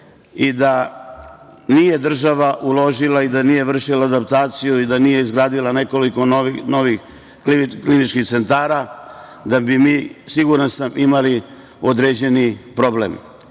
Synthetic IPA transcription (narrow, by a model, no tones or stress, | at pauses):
id̪a | nije̞d̪r̩ʒaʋaʔulo̞ʒilˠaid̪anije̞ʋr̩ʃilaːd̪ap̚t̪aːt̪sijuid̪anije̞izɡɾaːd̪ilane̞ko̞liko̞noʋino̞ʋix | kiklinit͡ʃkixt̪se̞nt̪aːɾa | d̪abimiːsiɡuɾansamʔimali | o̞d̪ɾeːd͡ʑe̞nipɾo̞blḛm